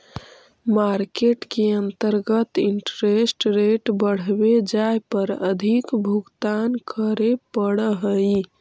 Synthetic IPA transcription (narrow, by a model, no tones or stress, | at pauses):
maɾkeʈkeənt̪əɾɡət̪iɳʈɾesʈɾeʈbəɽ̤bed͡ʒajpəɾəd̪ʱikbʱuɡt̪ankʰəɾepəɽəɦəj